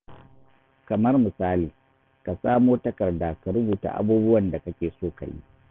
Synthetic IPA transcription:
kɐ˨mɐ˦rmɪ˨saː˦liː˨ | ka˨saː˦moː˦tɐ˦kɐ˨rda˨ka˨ɾʊ˦buː˨ta̰˦˨ʔa̰˦buː˦bʊ˦wɐ˨nda˨kɐ˦kʲeː˨soː˦˨ka̰˨jḭ˦

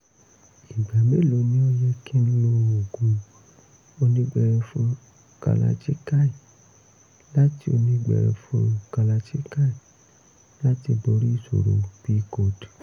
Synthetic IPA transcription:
i˨ɡ͡ba˨me˦lo˨˦nĩ˧˦ɔ˧jɛ˧kʰĩ˦ñ˦ũ˧˦˨o˨ɡũ˨ | o˧nĩ˧ɡ͡bɛ˧ɾɛ˧fũ˧˦ | ka̰˧la̰˧t͡ʃi˦ka˦i˨ | la˦ti˦o˧nĩ˧ɡ͡bɛ̰˨ɾɛ̰˧˨fṵ̃˦ka˧la˧t͡ʃi˦ka˦i˨ | la˦ti˧bo˨˦ɾi˦˨so̰˨ɾo̰˨bi˦ko˨d

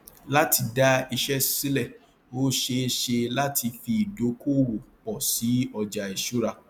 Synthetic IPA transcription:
la˦ti˧da˦i˧ʃɛ˦si˦lɛ˦˨ | o˦ʃe˧ʃe˧la˦tʰi˧fi˧i˨do˨˦ko˦˨ɾo˨k͡pɔ˨si˨˦ɔ˧d͡ʒa˨i˨ʃu˦ɾa˧

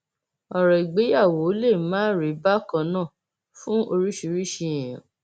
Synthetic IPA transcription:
ɔ˨ɾɛ˨i˨ɡ͡be˨˦ja˦˨wo˨˦le˦˨mãː˦ɾi˨˦ba˦kã˧nãː˦˨ | fũ˦ʔo˧ɾi˦ʃu˧ɾi˦ʃi˧˨j̃ã˨

